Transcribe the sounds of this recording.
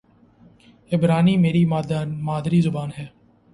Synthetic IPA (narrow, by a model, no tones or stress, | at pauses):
ɪbɾaːniːmeːɾiːmaːd̪ɾiːzʊbaːnɦɛː